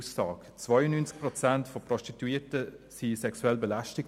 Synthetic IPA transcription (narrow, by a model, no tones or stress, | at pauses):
sːɑːkt͡svajənynt͡sk̚prɔt͡santfɔprɔʃtituiːtəsisɛksuɛlbɛlaʃtɪk